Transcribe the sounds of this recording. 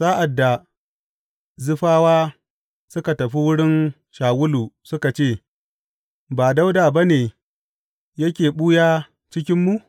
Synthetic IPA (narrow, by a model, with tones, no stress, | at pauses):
saː˦ʔa˨dːa˨ | zʊ˦ɸaː˦waː˦ | sʊ˦ka˨tɐ˨ɸi˦wʊ˦ɽɪ˦n | ʃaː˨wʊ˦luː˨sʊ˦ka˨t͡ʃeː˦˨ | baː˨da˦wdaː˨ba˦neː˨ | jɐ˦kʲeː˨ɓuː˦jaː˦ | t͡ʃɪ˦kʲɪ˦mːu˨